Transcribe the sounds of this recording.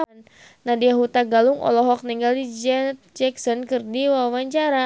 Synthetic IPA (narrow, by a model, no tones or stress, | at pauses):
n | nadiaɦut̪aɡaluŋʔɔ̰lɔɦɔk̚niŋɡaldid͡ʒɛt̪̚d͡ʒɛksɔnkɨrdiwawaɲt͡ʃaɾa